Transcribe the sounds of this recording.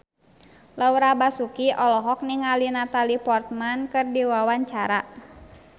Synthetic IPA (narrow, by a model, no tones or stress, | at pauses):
lauɾabasukiʔɔlɔɦɔk̚niŋalinat̪alipɔrt̪̚mankɨrdiwawaɲt͡ʃaɾa